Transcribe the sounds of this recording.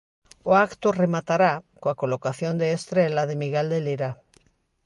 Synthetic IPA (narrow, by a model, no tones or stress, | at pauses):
oakt̪oremat̪aɾakoakolokaθjond̪eːst̪ɾelaðemiɣeld̪eliɾa